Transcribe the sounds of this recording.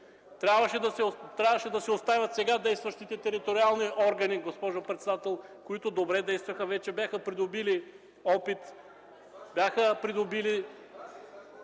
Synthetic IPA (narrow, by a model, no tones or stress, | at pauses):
t̪ɾʲabvɐʃɛd̪ɐsɛt̪ɾʲabvɐʃɛd̪ɐsɛost̪avʲɐt̪sɛɡad̪ɛjst̪vɐʃt̪it̪ɛt̪ɛɾit̪oɾialˠniʔɔɾɡɐniɡospɔʒopɾɛt̪sɛd̪at̪ɛlˠkoit̪ʊd̪obɾɛd̪ɛjst̪vɐxəvɛt͡ʃɛbʲjaxəpɾid̪obili | ɔpit̪ | bʲjaxəpɾid̪obili